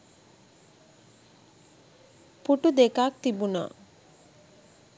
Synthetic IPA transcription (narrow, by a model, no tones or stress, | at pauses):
puʈud̪ekak̚t̪ibunɔ̰